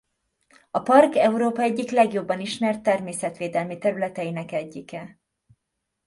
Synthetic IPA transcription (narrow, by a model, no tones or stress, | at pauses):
ɒpɒrkɛuɾoːpɒɛɟːiklɛɡjo̞bːɒniʃmɛrt̪ːɛrmeːsɛt̪ʋeːd̪ɛlmit̪ɛɾylɛt̪ɛjinɛkɛɟːikɛ